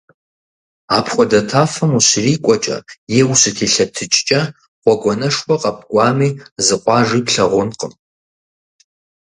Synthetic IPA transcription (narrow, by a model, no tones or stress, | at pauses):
aːpʰχʷɔdɐtʰaːfɐmuɕriːkʷʼɔt͡ʃʼɐ̰jeːwusɨtʰiːɬɐtʰɨt͡ʃʼt͡ʃʼɐ | χʷɔɡʷɔnɐʂwʷɔqʼɐp̚ʰʼkʷʼɑːmiːzɨqʷʼɑːʐiːpɬɐʁʷʊnqʼə̰m